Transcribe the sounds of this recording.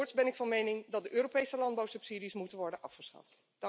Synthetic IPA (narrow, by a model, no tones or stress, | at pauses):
ɹtsbɛnɪkfɑnmejnɪŋdɑt̚dəʔøːɾopejsəlɑndbawsɵpsiːdismutənʋɔɹdənʔɑfχəsχɑ̰ft | d̥